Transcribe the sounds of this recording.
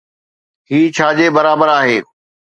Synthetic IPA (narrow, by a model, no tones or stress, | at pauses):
ɦiːt͡ɕʰaːd͡ʑeːbɐɾaːbəɾaːɦeː